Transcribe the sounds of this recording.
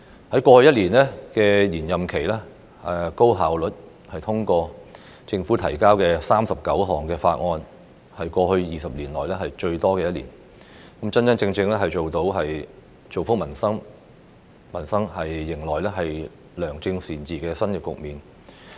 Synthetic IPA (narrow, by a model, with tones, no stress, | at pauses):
hɐ˨˥jkʷɔː˧hɵ˧jɐ˥t̚liː˨˩nlɛː˥kɛː˧jiː˨˩njɐ˨˩mkʰe˨˩jlɛː˥ | ɛ˨ko˥wɦaː˨˩wlɵ˨t̚ | hɐ˨jt̪ʰʊ˥ŋkɔː˧ | t͡sɪ˧ŋfuː˨˥t̪ʰɐ˨˩jkaː˥wkɛː˧saː˥msɐ˨p̚kɐ˨˥wɦɔː˨˩ŋkɛː˧faː˧t̚ŋɔː˧n | hɐ˨jkɔː˧ɦɵ˧ɥjiː˨sɐ˨p̚liː˨˩nlɔː˨˩jlɛː˥ɦɐ˨jt͡ʃɵ˧ɥt̪ɔː˥kɛː˧jɐ˥t̚lḭː˨˩n | kɐ˨˥mt͡sɐ˥nt͡sɐ˥nt͡sɪ˧ŋt͡sɪ˧ŋlɛː˥ɦɐ˨jt͡ʃo˨wt̪o˨˥wɦɐ˨j | t͡ʃo˨wfʊ˥k̚mɐ˨˩nsɐ˥ŋ | mɐ˨˩nsɐ˥ŋhɐ˨jːɪ˨˩ŋlɔː˨jlɛː˥ɦɐ˨j | lœː˨˩ŋt͡sɪ˧ŋsiː˨˩nt͡siː˨kɛː˧sɐ˥njɐ˨˩kʊ̰˨k̚miː˨n